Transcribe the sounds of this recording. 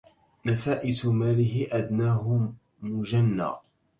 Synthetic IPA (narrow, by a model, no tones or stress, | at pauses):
nafaːʔɪsʊmaːlɪɦɪʔad̪naːɦʊ | mʊd͡ʒanːa̰ː